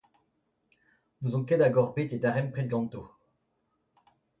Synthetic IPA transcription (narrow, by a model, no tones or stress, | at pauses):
nuzɔ̃kɛd̪aɡɔʁbet̪ed̪aʁɛmpχɛd̪̚ɡɑ̃nt̪o